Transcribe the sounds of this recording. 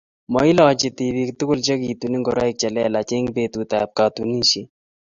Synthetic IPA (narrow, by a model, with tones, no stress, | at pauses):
mɔ˨i˦la˨t͡ʃi˨t̪ibikt̪u˦kʊ˦lt͡ʃɐ˦ki˨t̪u˨ni˦ŋɡɔ˨ɾa˦ik̚t͡ʃɐ˨lɛ˦lat͡ʃe˦ŋbe˨t̪ut̪a̰ː˨p̚ka˨t̪u˨ni˦ʃi